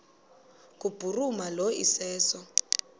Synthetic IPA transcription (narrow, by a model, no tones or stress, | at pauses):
kʼub̥urumaloḭsɛːsɔ